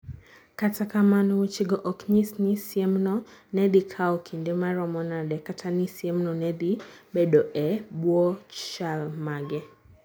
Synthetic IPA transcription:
katakamanɔwut͡ʃiɡɔʔɔkɲisnisiɛmnɔnɛdikʰaɔkʰindɛmaɾɔmɔnaɗɛkatʰanisjɛmnɔnɛdibɛɗɔʔɛbwɔt͡ʃalmaɡɛ

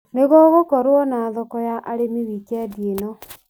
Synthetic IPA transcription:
neɣɔɣokɔɾoɔnaːðɔkɔjaʔaɾemewikɛdienɔ

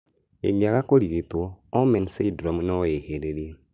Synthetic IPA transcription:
ḛɡiaɣakoɾiɣetoɔmɛnsedɾɔmnɔeheɾeɾe

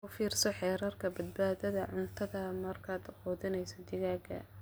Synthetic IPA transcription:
ʊfiːrsɔħɛːɾɐrkʰɐbɐd̪̚baːðɐðɐʕʊnt̪ʰɐðɐmɐrkʰaːd̪ʊqɔːðɪnɛjsɔd̪ɪɣaːɡɐ̰

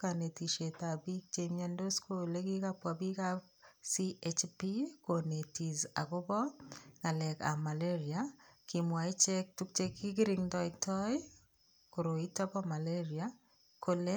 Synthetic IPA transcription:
kanetiʃetabik̚t͡ʃemandoskʰolekikapwabikap | siʔet͡ʃpikonetiza̰kobɔŋalɛka̰maleɾiakimwait͡ʃɛk̚tuk̚t͡ʃekːikɪɾɪŋtɔɪktʰɔj | koɾoitapɔmaleɾia | kole

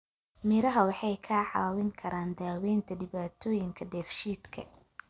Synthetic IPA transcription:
mɪɾɐɦɐwɑħɑjkʰaːʕɑ̰ːwɪŋkʰɐɾʔaːnd̪aːwɛːnt̪ʰɐɖɪβaːt̪ʰɔːjɪŋkʰɐd̪ɛːfʃiːd̪kʰɐ̰

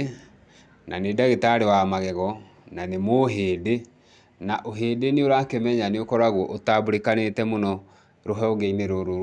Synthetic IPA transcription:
nanedaɣetaɾewamaɣɛɣɔ | nanemoɦeːde | naʔoɦeːdeneoɾakemɛɲaneokɔɾaɣwɔʔotaboɾekanetɛmonɔ | ɾoɦɛɔɣeineɾoɾo

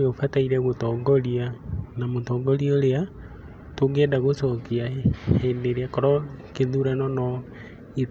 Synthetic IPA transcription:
ofataiɾɛɣotɔŋɡɔɾianamotɔːŋɡɔɾiɔɾea | toɡɛːndaɣosɔkiahɛndeɾeakɔɾɔkeðuɾanɔnɔ | e

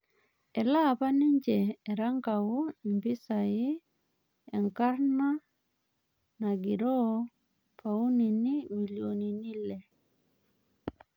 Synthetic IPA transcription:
ɛlapaniɲd͡ʒɛːɾaŋkawuimpisaji | ɛŋkaɾna | naɡiɾo | pauninimiljoninilɛ

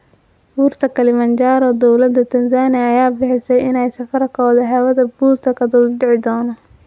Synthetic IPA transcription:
b̥uːrt̪ʰɐkʰɐlɪmɐnt͡ʃaːɾɔːd̪ɔwlɐd̪ɐt̪ʰɐnsaːnɪɐːjaːbɪħɪsɛjɪnɛjsɐfɐɾɐkʰɔːðɐɦɛwɐðɐbuːrt̪ʰɐkʰɐd̪ulɖɪʕɪd̪ɔːnɔ

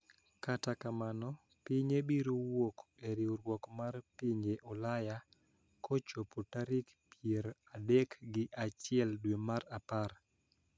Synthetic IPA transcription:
katakamanɔ | piɲebiɾowokeɾiuɾwɔkmarpiɲeʔɔlaja | kot͡ʃopotaɾik | pjeɾadekɡɪʔat͡ʃɪɛldwemaɾapar

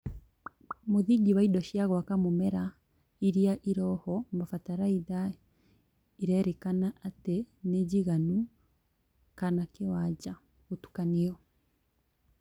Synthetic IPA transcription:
moðiɟiβaidɔʃiaɣwakamomɛɾa | iɾiaʔiɾɔhɔmbafataɾaiða | iɾɛɾɛkanaʔatɛneɟiɣanu | kanakewaɟa | ɣotu̥kaneɔ

